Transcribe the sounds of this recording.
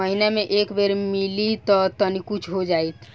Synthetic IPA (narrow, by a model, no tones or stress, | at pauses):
əɦinemeʔekbeɾmilit̪ɔt̪ənikut͡ʃʰɦod͡ʒajt̪ʰ